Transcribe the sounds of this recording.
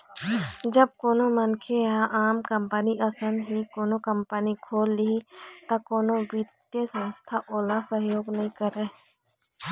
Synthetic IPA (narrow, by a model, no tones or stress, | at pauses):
d͡ʒəb̚koːnomənkʰeaʔaːmkə̃mpəniʔɐsənɦikoːnokə̃mpənikʰoːlːiit̪ɐkoːnoʋit̪jəsə̃nst̪ʰaʔoːlasəɦjoːɡnɐɦĩkəɾe